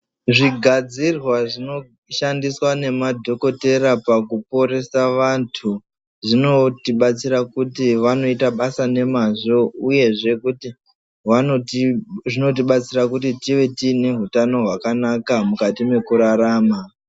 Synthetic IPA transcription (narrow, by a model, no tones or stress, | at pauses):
ʐiɡʱad͡zirwaʐino̞ | ʃandiswane̞madʱo̞ko̞te̞ɾapakup̚o̞ɾe̞saʋantʰu | ʐinotiɓat͡siɾakutiʋano̞itaɓasane̞maʐo̞uje̞ʐe̞kuti | ʋaʐino̞t̬iɓat͡sirakutitiʋe̞tine̞ɦutano̞ɦwakanakamukatime̞kuɾaɾaːma